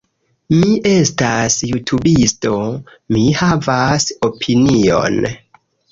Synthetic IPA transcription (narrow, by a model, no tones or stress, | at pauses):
miʔe̞stasjutʰubisto̞ | mihavaso̞pʰinio̞̰n